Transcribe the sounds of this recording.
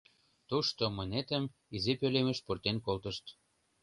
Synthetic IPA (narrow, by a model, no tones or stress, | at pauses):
t̪uʃt̪omɤ̆net̪ə̆mizipølemə̆ʃpurt̪enkolt̪ə̆ʃt̪